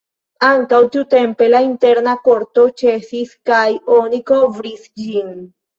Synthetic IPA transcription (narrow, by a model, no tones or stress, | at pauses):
aŋkawt̪ut̪e̞mpe̞laint̪e̞ɾnako̞ɾt̪o̞t͡ʃe̞siskajonikovɾisd͡ʒin